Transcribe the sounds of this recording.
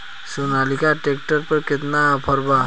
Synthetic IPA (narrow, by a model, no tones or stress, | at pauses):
sunalikaʈek̚ʈəɾpəɾkit̪napʰəɾba